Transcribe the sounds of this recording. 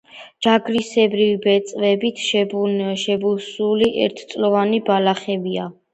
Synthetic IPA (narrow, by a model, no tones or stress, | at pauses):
d͡ʒaɡɾisɛbɾivibɛt̪sʼvɛbit̪ʰʃɛbʃɛbusuliʔɛ̰ɾt̪ʰt̪sʼlɔvanibalaχɛbia